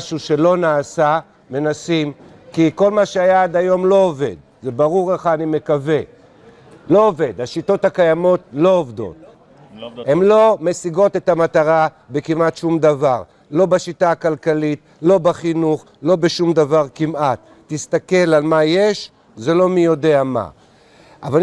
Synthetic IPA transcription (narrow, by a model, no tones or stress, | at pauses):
ʃuʃe̞lo̞naːsa | me̞nasim | kiko̞lmaʃeajaad̪ajo̞mlo̞ove̞̰d̪ | zebaʁuʁleχaːnime̞kave̞ | lo̞ːve̞d̪haʃito̞thakajamo̞t̪lo̞ovd̪o̞̰t̪̚ | he̞mlo̞me̞siɡo̞t̪e̞t̪amat̪aʁa | be̞kimat̪ʃumd̪avaʁ | lo̞baʃitaːkalkalit | lo̞baχinuχ | lo̞beʃumd̪avaʁkimʔat̪ːist̪ake̞lalmajeʃ | ze̞lo̞mijo̞de̞ama̰ | ʔavaln